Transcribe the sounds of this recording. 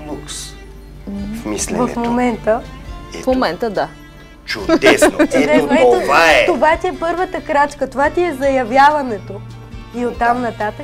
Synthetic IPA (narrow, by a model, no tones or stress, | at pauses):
luks̩ | misvɐfmomɛnt̪əfmomɛnt̪əd̪a | t͡ʃʊd̪sd̪ɛɛt̪ovaɛt̪ovat̪ʲiɛpɤɾvət̪əkɾat͡ʃkət̪ovat̪iɛzɐjɐvjavɐnɛt̪o | iot̪ːamnɐt̪at̪ə